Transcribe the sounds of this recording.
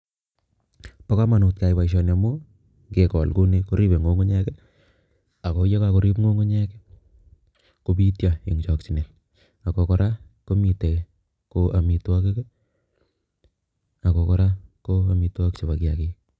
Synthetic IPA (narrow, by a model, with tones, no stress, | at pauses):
pɔ˦ka˦ma˨nu˨t̚ka˨ipa˨iʃ̬ɔ˨na˨mo˦ | ŋɡe˨kɔ˨lko˦ne˦ko˦ɾi˦be˨ŋɡo˦ŋo˦ɲɛ˦ke˦ | a˨ko˨jɔ˦kako˨ɾi˦pŋo˦ŋo˦ɲɛ˦ke˦ | ko˨bi˦tja˨e˨ŋt͡ʃɔ˨ksi˨ne˨l | a˨ko˨kɔ˨ɾʔa˦ | ko˦mi˨te˨ | koʔa˨mi˨twa˦ke˦ke˦ | a˨ko˨kɔ˨ɾa˦ko˦a˨mi˨˧twa˦kt͡ʃe˨ba˨kja˨ki˦